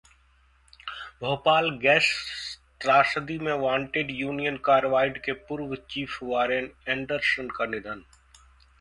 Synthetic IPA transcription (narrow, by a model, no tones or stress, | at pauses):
bʱoːpaːlɡɛːst̪ɾaːsəd̪imẽʋãːɳʈeɖjuːnijənkaːɾʋaːɪɖkepʊɾʋt͡ʃiːfʰʋaːɾenẽːɳɖəɾsənkɐnɪ̃d̪ʱən